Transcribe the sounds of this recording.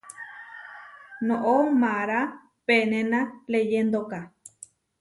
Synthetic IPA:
nõʔomaɾa | penẽnalejend̪oka

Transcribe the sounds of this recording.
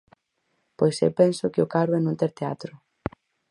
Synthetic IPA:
pojsḛwpɛnsʊkɪʊkaɾʊɛnũnt̪ɛɾt̪ea̰t̪ɾʊ

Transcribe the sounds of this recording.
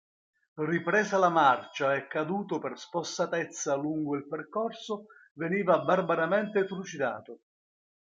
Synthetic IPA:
ripɾɛːzalamart͡ʃaɛkːad̪uːt̪ʊperspost̪at̪ɛt̪sːaluŋɡʊilperkɔrsʊ | veniːvabarbaɾamɛnt̪ɪfɾut͡ʃid̪a̰ːt̪ʊ

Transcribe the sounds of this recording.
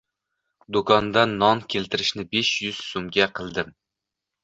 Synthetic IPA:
d̪okʰɒnd̪anːɒnkʲʰelt̪ʰɪɾɪʃnɪbeʃjʊz̥somɡʲaqʰɨlˠd̪ɪm

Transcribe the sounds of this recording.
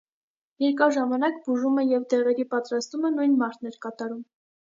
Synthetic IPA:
jɛɾkɑʒɑmɑnɑkbuʒumɛjɛvd̪ɛʁɛɾipɑt̪ɾɑst̪umənujnmɑɾt̪ʰnɛɾkɑt̪ɑɾum

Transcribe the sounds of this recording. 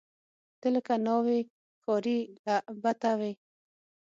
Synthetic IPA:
t̪ɪlkanowe | kɔɾilabat̪awe

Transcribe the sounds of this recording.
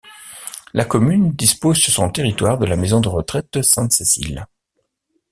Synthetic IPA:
lakɔmynd̪ispozsyʁsɔ̃t̪eʁit̪waʁd̪əlamezɔ̃d̪əʁət̪χɛt̪̚d̪əsɛ̃t̪sesḭl

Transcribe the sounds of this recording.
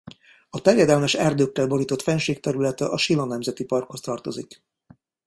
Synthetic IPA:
ɒt̪ɛrjɛd̪ɛlmɛʃɛrd̪øːkːɛlbo̞ɾiːt̪o̞t̪fɛnʃeːk̚t̪ɛɾylɛt̪ɛʔɒʃilonɛmzɛt̪ipɒrkho̞st̪ɒrt̪o̞zik

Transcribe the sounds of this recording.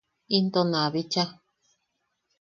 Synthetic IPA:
int̪onãβit͡ʃa

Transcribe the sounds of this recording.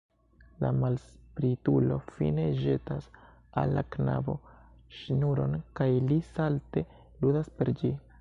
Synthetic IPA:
la̰malspɾitulo̞fḭne̞ʒe̞tas | a̰lːakna̰bo̞̰ | ʃnuɾo̞nkajlisalte̞ | ludaspe̞ɾd͡ʒi

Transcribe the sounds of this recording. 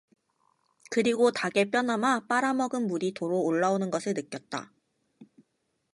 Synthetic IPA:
kɯɾiɡotaɡe̞p͈jʌnɦamap͈aɾamʌɡɯnmuɾitoɾoːɭːaonɯnɡʌsʰɯɭnɯk͈jʌt̚t͈a̰

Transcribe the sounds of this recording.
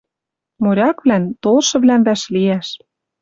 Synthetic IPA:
moɾʲɑkβlænt̪olʃɤ̆βlænb̪æʃliæʃ

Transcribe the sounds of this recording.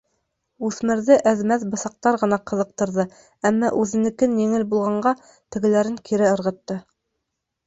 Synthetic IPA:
ʉθmɘ̆ɾðɘʔæðmæθbɤ̆θɑq̚t̪ɑɾʁɤ̆nɑqɤ̆ðɤ̆q̚t̪ɤ̆ɾðɤ | æmːɑʔʉðɘ̆nɘ̆kɘnjɘ̆ŋɘlbulˠʁɑɴɢɑ | t̪ɘ̆ɡɘ̆læɾɘŋkʰiɾɘɤ̆ɾʁɤ̆t̪ːɤ

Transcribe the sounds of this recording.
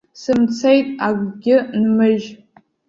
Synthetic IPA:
sɨmt͡sʰejtʼaɡʷɡʲɪnmɨʒ

